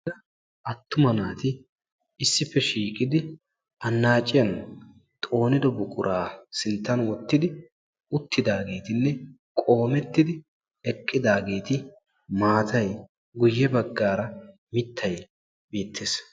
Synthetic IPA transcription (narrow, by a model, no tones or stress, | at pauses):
ɐ | ʔɐt̪ːʊmɐnaːt̪ɪ | ɪsːɪpːɛʃiːkʼɪd̪ɪ | ʔɐnːaːt͡ʃʼːɪjɐn | t̪ʼo̞ːnɪd̪ɔbʊkʼʊɾʔaːsɪlt̪ːɐnwɔt̪ːɪd̪ɪ | ʊt̪ːɪd̪aːɡe̞ːt̪ɪnːɛ | kʼo̞ːmɛt̪ːɪd̪ɪ | ɛkʼːɪd̪aːɡe̞ːt̪ɪ | maːt̪ʰɐj | ɡʊjːɛbɐɡːaːɾɐ | mɪt̪ʰːɐj | beːt̪ʰːeːs